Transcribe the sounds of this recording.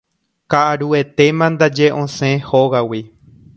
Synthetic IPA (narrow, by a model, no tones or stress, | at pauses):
kaʔaɾue̞t̪e̞mãnd̪ad͡ʒeʔõsẽhoɣawi